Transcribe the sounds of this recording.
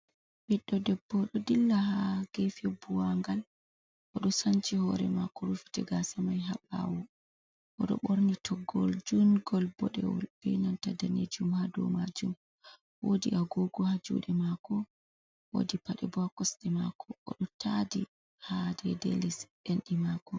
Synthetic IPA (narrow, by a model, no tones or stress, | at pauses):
bɛɗːɔdɛbːɔɗɔdilːahaɡ̥efɛbuwaŋɡal | ʔɔɗɔsant͡ʃihɔɾɛ̰makɔɾufi̥tɛɡasamajɦaɓa̰wu | ʔɔɗɔ̰ɓoɾnitʰɔɡːɔld͡ʒunɡɔlbɔɗɛwɔ̰lbɛjnantadaned͡ʒumhadɔmad͡ʒum | wodiʔaɡɔɡɔhad͡ʒṵːɗɛmakɔ | wo̰dipaɗɛbɔakɔsɗɛmakʰɔʔɔ̰ɗɔtadi | hadɛdḛlisɗɛnɗimakɔ